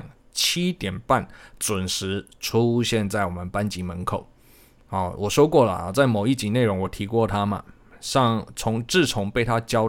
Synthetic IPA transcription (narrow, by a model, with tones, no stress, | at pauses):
ŋ | t͡ɕʰi˥t̪jɛ˨˩npa˥˩nt͡swʊ˨˩nʂɻ̩˧˥ | ʈ͡ʂʰu˦˥ɕjɛ˥˧nt͡sa˥˩ɪwɔ˨˩mə˦npa˥nt͡ɕi˧˥mə˧˦nkʰo˨˩ʊ˨˩ | wʔɔ˨˩ʂwɔ˥ʊkwɔ˥˩lə̰˨˩˨t͡sa˥˩ɪmo˨˩ʊi˥˩t͡ɕi˧˥ne˥˩ɪɻʊ˧˦˥ŋwɔ˨˩t̪ʰi˧˥kwɔ˥˩t̪ʰa˥mɐ̰˨ | ʂɑ˥˩ŋt͡sʰʊ˧˥ŋʈ͡ʂɻ̩˥˩t͡sʰʊ˧˦˥ŋpe˥˩ɪt̪ʰa˦t͡ɕjɑ˥ʊ